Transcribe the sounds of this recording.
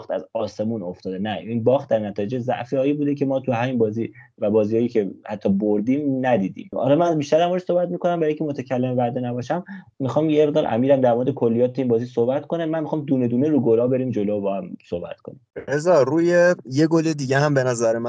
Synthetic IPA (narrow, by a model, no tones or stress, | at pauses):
χt̪ʰæ̰zɒːse̞muːno̞ft̪ɒːd̪e̞næinbɒːxχt̪̚d̪æɾnæt̪ʰɒːjed͡ʒezæ̰ʔfiɒːiːbuːd̪ecʰe̞mɒːt̪ʰuɦæmiːnbɒːziː | væbɒːziːhɒːjiːcʰe̞hæt̪ʰːɒboɾd̪iːmnæd̪iːd̪ḭmhɒ̰lɒːmænbiːʃt̪æɾæmboɾsohbæt̪miːko̞næmbæɾɔjiŋcʰemo̞t̪ʰæcʰælːemevæd̪enæbɒːʃæm | mixɒːmjeʁd̪ɒːɾʔæ̰miːɾæmd̪æɾmoɾed̪ekʰo̞lːijɒːt̪t̪ʰeiːnbɒːziso̞hbæt̪konæmænmixɒːmd̪uːne̞d̪uːneɾuːɡolɒbe̞ɾiːmd͡ʒo̞lobɒːhæmsohbæ̰t̪kʰo̞nimɾezɒɾuːjejeɡoled̪iːɟehæmbe̞næzæɾemæ